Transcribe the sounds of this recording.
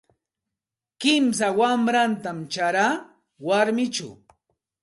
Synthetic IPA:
kɪms̬awamɾant̪amt͡ʃaɾaː | waɾmɪt͡ʃa̰w

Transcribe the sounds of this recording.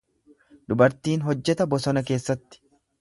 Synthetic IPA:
d̪ʊbɐɾt̪iːnɦɔd͡ʒːɛt̪ɐbɔsɔnɐke̞ːsːɐt̪ːɪ̥

